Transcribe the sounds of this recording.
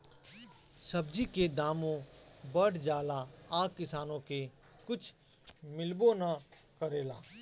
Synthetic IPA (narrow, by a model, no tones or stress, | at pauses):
səbd͡ʒiked̪aːmõbəɽd͡ʒaːlaaːkːɪsaːnõke | kʊt͡ʃʰ | mɪlbonakəɾeːlaː